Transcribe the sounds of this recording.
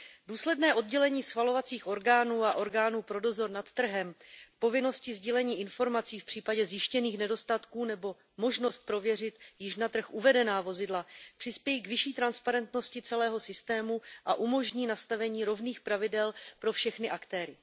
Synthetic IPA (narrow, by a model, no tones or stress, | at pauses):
duːslɛdnɛːʔo̞d̚ɟɛlɛɲiːsxvalo̞vat͡siːxʔo̞ɾɡaːnuːaʔo̞ɾɡaːnuːpɾo̞do̞zo̞ɾnat̪ːr̩ɦɛmpo̞vɪno̞scɪzɟiːlɛɲiːʔɪnfo̞ɾmat͡siːfpr̝̥iːpaɟɛzjɪʃcɛniːxnɛdo̞st̪at̪kuːnɛbo̞ | mo̞ʒno̞st̪̚pɾo̞vjɛrɪt̪jɪʃnat̪r̩xʔuvɛdɛnaːvo̞zɪdlapr̥ɪspjɛjiːkvɪʃiːt̪ɾanspaɾɛnt̪no̞scɪt͡sɛlɛːɦo̞sɪst̪ɛːmuʔaʔumo̞ʒɲiːnast̪avɛɲiːɾo̞vniːxpɾavɪdɛlpɾo̞fʃɛxnɪʔakt̪ɛːɾɪ